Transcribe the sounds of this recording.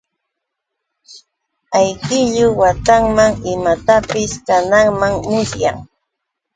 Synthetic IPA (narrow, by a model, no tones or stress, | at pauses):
ajkɪʎʊwat̪aŋmaŋɪmat̪apɪskanaŋmaŋmʊsja̰ŋ